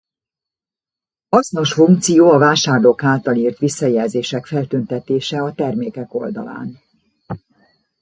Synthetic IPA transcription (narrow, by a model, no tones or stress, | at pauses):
hɒsno̞ʃfuŋkt̪sijoːɒvaːʃaːrloːkaːt̪ɒliːrt̪ʋisːɒjɛlzeːʃɛkfɛlt̪ynt̪ɛt̪eːʃɛɒt̪ɛrmeːkɛko̞ld̪ɒ̰la̰ːn